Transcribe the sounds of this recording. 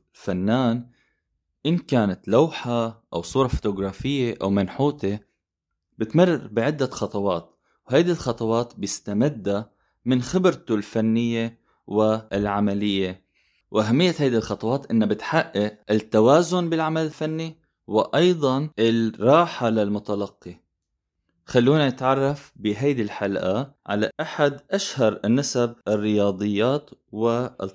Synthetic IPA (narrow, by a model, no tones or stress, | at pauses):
lfanːaːn | ʔɪnkaːnat̪lawħaʔawsˤuːɾˤɑfo̥t̪ʊɡɾˤɑːfɪjːeʔa̰wmanħuːt̪e | bɪt̪mɪrˤːbɪʕɪd̪ːaxɑt̪ˤɑwɑːt̪ | wɦajd̪ilxɑt̪ˤɑwɑːt̪bɪst̪amɪd̪ːa | mɪnxɪbɾt̪ʊlfanːɪjːe | wɪɪlʕamalɪjːe | wʔaɦamːɪjːat̪hajd̪ilxɑt̪ˤɑwɑːt̪ʔɪnːabɪt̪ħaʔːɪʔɪt̪ːawaːzʊnbɪlʕamalɪlfanːi | wɪʔɑjd̪ˤɑnʔɪlɾˤɑːħalɪlmʊt̪alɑqːi | xalːuːnanɪt̪ʕɑrˤːɑfbɪɦajd̪ilħalʔaʕa̰laʔaħad̪ʔaʃhɑɾˤnːasab̚ɪrːɪjɑːd̪ˤɨjːaːt̪wɪ